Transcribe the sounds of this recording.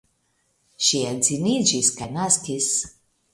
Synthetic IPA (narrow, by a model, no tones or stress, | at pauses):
ʃiɛlzinid͡ʒiskajnaskis